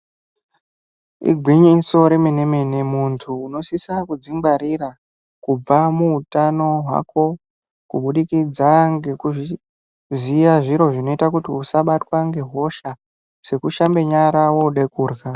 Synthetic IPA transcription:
ḭɡʱwiɲiso̞ɾe̞mene̞me̞ne̞muntʰuːno̞sisakud͡zimbaɾira | kub͡vamuutano̞ɦwa̰ko̞ | kuɓuɗikid͡zaŋɡe̞kuʐi | zijaʐiɾo̞ʐino̞itakutiusaɓatwaŋɡe̞ɦo̞ʃa | se̞kuʃambe̞ɲaɾawo̞ɗe̞kuːrɣa

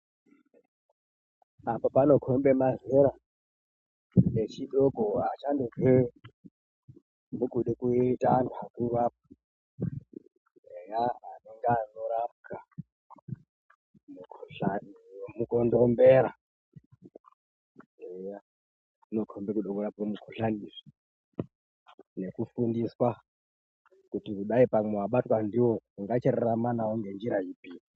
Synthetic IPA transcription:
apapanokʰombemazeɾa | et͡ʃʰiɗokʼoɦat͡ʃandove | mukʼuɗikuitʼanʰʱakuβap̚a | ejaɦaneŋɡanoɾapka | mukʰuɬanmukɔndombɛɾa̰ | eja | inokʰombekuɗɔkuɾap̚kamukʰuɬaniʐi | nekufundiswa | kutikuɗaipamewaɓatwandiwouŋɡat͡ʃeɾeɾamanawoŋɡend͡ʒiɾajipiːni

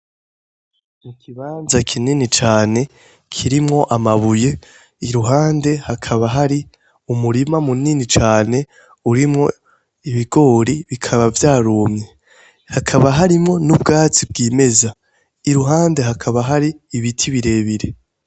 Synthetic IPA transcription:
mukʰiβaːnzakʰininit͡ʃaːne̞ | kʰiɾimŋo̞ʔamaβuje̞ | iɾuɦaːnde̞hakʰaβaɦaɾi | umuɾimamuninit͡ʃaːne̞ | uɾimŋo̞̰ | iβiɡo̞ːɾiβikʰaβavjaːɾoːmɲe | hakʰaβaɦaɾimŋo̞nubɡaːt͡sib̚ɡiːme̞za | iɾuɦaːnde̞ɦakʰaβaɦaɾiːβitʰiβiɾe̞ːβiɾe̞

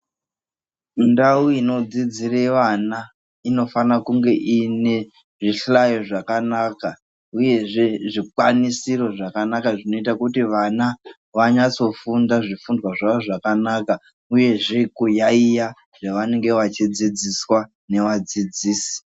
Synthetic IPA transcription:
ndauino̞d͡zid͡zireʋana | ino̞fanakuŋɡe̞ʔine̞ | ʐiɬajo̞ʐakanaːka | uje̞ʐe̞ʐikwanisiro̞ʐakanakaʐino̞itakutiʋana | ʋaɲat͡so̞fundaʐifundwaʐaʋoʐakanaka | uje̞ʐe̞kujaija | ʐeʋane̞ŋɡe̞ʋat͡ʃid͡zid͡ziswa | ne̞ʋad͡zid͡ziːsi̥

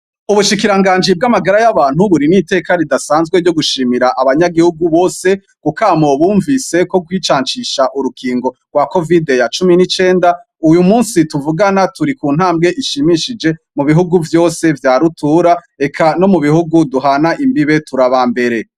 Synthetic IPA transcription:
uβuʃikiɾaŋɡaːɲd͡ʒib̚ɡamaɡaɾajaβaːn̥huβuɾinite̞ːkaɾidasaːnzɡweɾɟo̞ɡuʃiːmiɾaʔaβaɲaɡihuɡuβo̞ːse̞ | kukamoβuːɱvise̞ko̞ɡwiːt͡ʃaːɲt͡ʃiʃaʔuɾukʰiːŋɡo̞ɡ̥wako̞videjat͡ʃuminit͡ʃe̞ːnda | ujumuːnsituvuɡanatuɾikuːn̥haːmbɡe̞ʔiʃimiʃid͡ʒe̞ | muβiɦuɡuvjo̞ːse̞vjaːɾutuːɾa | e̞kʰano̞muβihuɡuduɦanaʔimbiβe̞tuɾaβambe̞ɾe̞

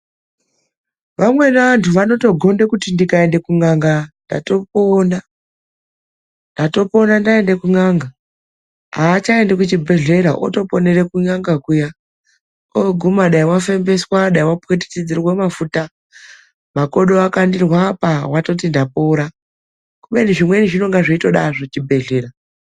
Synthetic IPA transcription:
ʋamwe̞naːntʰuʋano̞to̞ɡʱo̞nde̞kutindikae̞nde̞kuŋaŋɡanda̰to̞poːna | ndato̞po̞nandae̞nde̞kuŋaŋɡa | ɦaːt͡ʃae̞ndekut͡ʃibʱe̞ɮe̞ɾaʔo̰to̞po̞ne̞re̞kuɲaŋɡakuja | oɡʱumaɗaiwafe̞mbe̞swaɗaiwapet̬i̥tid͡zirwemafuta | mako̞ɗoakandirwapawato̞t̬indapoɾa | kuɓe̞niʐimwe̞niʐino̞ŋɡaʐiito̞ɗa̰ʐot͡ʃibʱe̞ɮe̞ɾa

